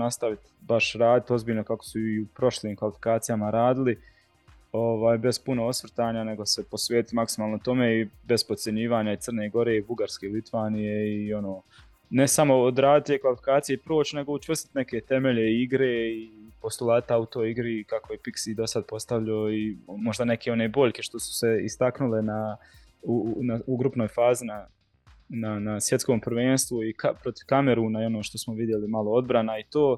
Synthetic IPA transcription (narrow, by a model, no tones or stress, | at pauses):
nast̪aʋit̪ | baʃɾaːd̪it̪o̞zbiːʎnokako̥suiupɾo̞ʃliːmkalifi̥kaːt̪sijamaɾaːd̪ili | o̞ʋaːjbe̞zpunoosʋr̩t̪aːɲane̞ɡo̞se̞po̞sʋeːt̪it̪maksimaːlˠnot̪o̞me̞ːibe̞z̥pose̞ɲiːʋaːɲait̪ərneɡo̞ɾe̞ːibuɡaɾske̞ilit̪ʋaːnijeio̞noː | nesamo̞ːd̪ɾaːd̪it̪eːkʋalifi̥kaːt̪sijeipɾoːt͡ɕne̞ɡout͡ʃʋər̩si̥t̪neke̞ːt̪e̞me̞ʎe̞iiɡɾeːipo̞st̪ulˠaːt̪aut̪o̞ːjiɡɾikakojepiksid̪o̞sad̪̚po̞st̪aʋʎaoimo̞ʒd̪anekeo̞neːbo̞ʎʲke̞ʃt̪o̞su̥seḭst̪aknule̞na | unauɡɾupnoːjfaːzina | nanasjet̪skoːmpɾ̩ʋeːnst̪ʋuikapɾo̞t̪iʋkame̞ɾuːnaio̞noːʃt̪o̞smoʋid̪je̞limalˠo̞o̞d̪̚bɾanait̪oː